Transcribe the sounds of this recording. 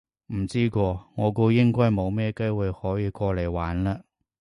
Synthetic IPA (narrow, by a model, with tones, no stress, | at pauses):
m̩˨˩t͡siː˥kɔː˧ŋɔː˨˧ko˧wjɪ˥ŋkɔː˥jmo˨˧wmɛː˥˧ke˥jwʊ˨˧jhɔː˨˥jiː˨˧kɔː˧le˨˩jwaː˨˥nlaː˧